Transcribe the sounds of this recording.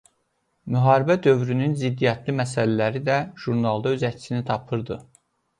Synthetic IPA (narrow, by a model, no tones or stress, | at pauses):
myɦɑːɾibæd̪ø̞vɾynynzid̪ːijɑt̪ʰlimæsælælæɾid̪æʒ̥uɾnɑlˠd̪ɑøzæcʰsinit̪ʰɑpʰɯɾd̪ɯ